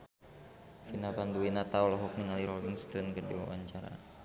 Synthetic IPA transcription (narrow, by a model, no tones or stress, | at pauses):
finapanduinat̪aɔlɔɦɔk̚niŋaliɾɔbiŋst̪ɔnkərdiwa̰wa̰ɲt͡ʃaɾa̰